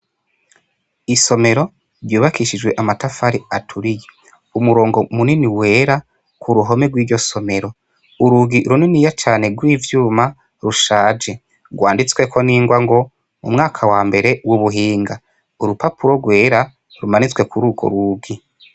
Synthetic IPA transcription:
iso̞me̞ɾo̞ | vjuːβakiʃid͡ʒɡwe̞ʔamatafaɾiatʰuɾije | umuɾo̞ːŋɡo̞muniniwe̞ːɾa | kʰuɾuɦo̞meɡwiːɾɟo̞so̞me̞ɾo̞ | uɾuɡiɾuninijat͡ʃaːne̞ɡwiːvjuːma | ɾuʃaːd͡ʒe̞ | ɡwaːndit͡swe̞kʰo̞niːŋɡwaŋɡo̞ | ṵmŋaːkʰawaːmbe̞ɾe̞wuβuɦiːŋɡa | uɾupapuɾoɡwe̞ːɾa | ɾumanit͡swe̞kuɾuːɡo̰ɾuɡi

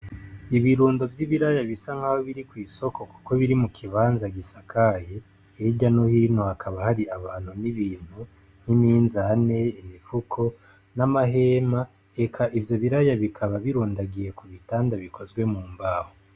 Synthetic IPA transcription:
iβiɾuːndo̞vjiβiɾajaβisaŋhahoβiɾikwiːso̞ko̞ku̥ko̞βiɾimukʰiβaːnzaɡisakʰaje | eɟanohinohakʰaβahaɾiaβaːnhuniβiːn̥hu | n̥imiːnzane̞imifukʰo̞ | namaɦeːma | e̞kʰaʔivjo̞βiɾajaβikʰaβaβiɾuːndaɡije̞kuβitaːndaβiko̞zɡwe̞muːmbaːho

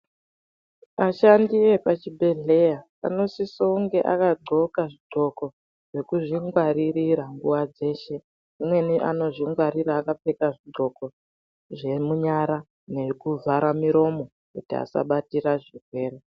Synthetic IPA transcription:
aʃandiepat͡ʃibʱe̞ɮe̞ja | a̰no̞sisouŋɡe̞ʔa̰kaɡ͡ǀʱo̞kaʐiɡ͡ǃʱo̞ko̞ | ʐ̥e̞kuʐiŋɡwaɾiɾiɾaŋɡuwad͡ze̞ːʃe̞ | imwe̞niʔa̰no̞ʐiŋɡwaɾiɾaːkap͡fe̞kaʐiɡ͡ǃʱo̞ko̞ | ʐe̞muɲaɾa | ne̞kuvaɾamiɾo̞mo̞ | kutia̰sa̰ɓatiɾaʐirwe̞ːɾe

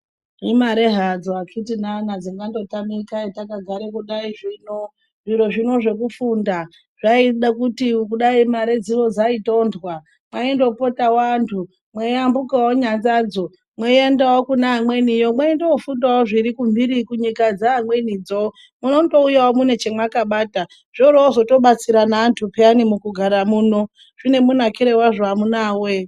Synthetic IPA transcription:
imaɾe̞ɦad͡zoakʰitinanad͡ziŋɡando̞tamikaitakaɡʱaɾekuɗaiʐiːno | ʐiɾoʐino̞ʐe̞kufunda | ʐ̥aiɗakutikuɗaimaɾed͡ziʋo̞d͡zaito̞ːndwa | mwaindo̞po̞tawantʰu | mweambukawoɲand͡zaːd͡zo̞ | mweendawokunaɦamwe̞nijomwaendeofundawoʐirikumbiɾikuɲikad͡zaːmwe̞nid͡zo | muno̞do̞ujawomune̞t͡ʃe̞mwakaɓaːta | ʐ̥oɾoozo̞to̞ɓat͡siɾanaːntʰupeanimukuɡʱaɾamuːno̞ | ʐ̥ine̞munakiɾewaʐoamunaːwe

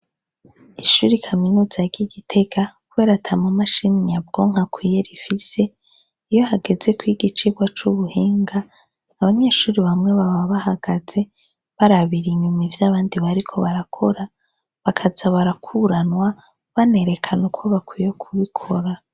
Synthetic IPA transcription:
iʃuːɾikʰaminuːzaɾɟiɡitʰe̞ɡakuβe̞ːɾatʰamumaʃiniɲabɡo̞ŋ̥akwiːje̞ɾifise̞ | ijo̞ɦaɡe̞ze̞kwiɡit͡ʃiɡwat͡ʃuβuhiːŋɡa | aβaɲe̞ʃuːɾiβamŋe̞βaβaβahaɡ̥aze̞ | βaɾaβiɾiɲumivjaːβaːndiβaɾikʰo̞βaɾakʰo̞ɾa | βakʰazaβaɾakʰuɾanwa | βane̞ɾe̞kʰanukʰoβakwijokʰuβikʰo̞ɾa

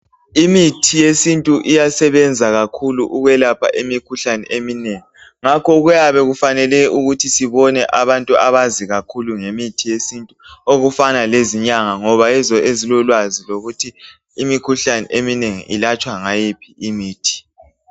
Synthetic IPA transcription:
imitʰijesintʼuʔijasɛβɛnd͡zʱaɣakʰuluʔuɣwɛlapʰa̰ʔimikʰuɬanɛʔemineŋi | ŋakʰɔɣujaβɛɣufanɛlɛuɣutʰisiβɔnɛʔaβantʼuaβaziɣakʰuluŋemitʰijesintʼuoɣufanaleziɲaŋaŋɔβaɛzɔezilɔlwaziloɣutʰiː | mikʰuɬanɛ̰ʔemineŋḭʔilat͡ʃʼwaŋajipʰiimiːtʰi̥

